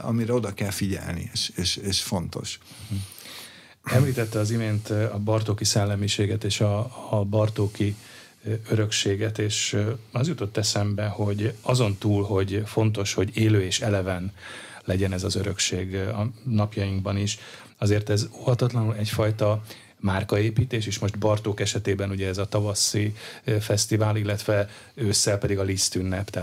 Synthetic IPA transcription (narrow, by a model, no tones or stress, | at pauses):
ɒ̰miɾɛo̞d̪ɒkɛlfiɟɛ̰lnḭeʃeʃeʃfo̞nt̪o̞̰ʃ | ɛmliːt̪ɛt̪ːɛɒzimeːnt̪ɒbɒrt̪oːkisɛlːɛmiʃeːɡɛt̪eːʃɒbɒrt̪oːki | øɾø̞kʃeːɡɛt̪eːʃɒzjut̪o̞t̪ːɛsɛmbɛho̞ɟɒzo̞nt̪uːlɦo̞ɟfo̞nt̪o̞ʃho̞ɟeːløːeːʃɛlɛvɛnlɛɟɛnɛzɒzøɾø̞kʃeːɡɒnɒpjɒjiŋɡbɒniʃ | ɒzeːrt̪ɛzoːhɒt̪ɒt̪lɒnulɛcfɒjt̪ɒ | maːrkɒeːpiːt̪eːʃeːʃmo̞ʃt̪bɒrt̪oːkɛʃɛt̪eːbɛnuɟɛːzɒt̪ɒvɒsːifɛst̪ivaːlilːɛt̪ʋɛ | øːsːɛlpɛd̪iɡɒlist̪ynːɛpt̪ɛ